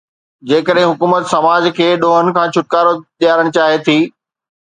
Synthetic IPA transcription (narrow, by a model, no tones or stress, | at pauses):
d͡ʑeːkəɗɦɪ̃ɦʊkuːmət̪sɐmaːd͡ʑkʰeːɗoːɦənɪ̆kʰãːt͡ɕʰʊʈ̚kaːɾoɗijaːɾəɽ̃t͡ɕaːɦet̪ʰiː